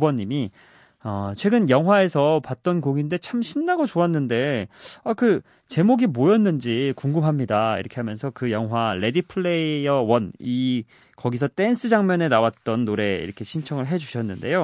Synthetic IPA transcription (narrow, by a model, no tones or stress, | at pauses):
ubʌɲːimi | ʌt͡ɕʰwe̞ɡɯnjʌŋɦwae̞sʰʌpat̚t͈ʌnkoɡinde̞t͡ɕʰamɕʰinːaɡot͡ɕoanːɯnde̞akɯ | t͡ɕe̞moɡimojʌnːɯnd͡ʑikuŋɡɯmɦamɲidaḭɾʌkʰe̞ɦamjʌnsʰʌkɯjʌŋɦwaɭe̞dipʰɯɭeiʌwʌni | kʌɡisʰʌt͈e̞nsʰɯd͡ʑaŋmjʌne̞nawat̚t͈ʌnːoɾe̞ḭɾʌkʰe̞ɕʰint͡ɕʰʌŋɯɭɦe̞d͡ʑuɕʰʌnːɯnde̞̰jo